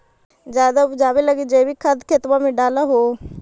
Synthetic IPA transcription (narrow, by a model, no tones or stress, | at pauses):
d͡ʒjaːd̪aud͡ʒaːʋeləɡid͡ʒeːbʱikʰəd̪ʱkʰet̪ʋãmẽɖaːlaɦoː